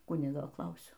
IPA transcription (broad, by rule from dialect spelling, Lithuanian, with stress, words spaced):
ˈkʊnʲɪɡoː ˈklˠɐʊsʲɛʊ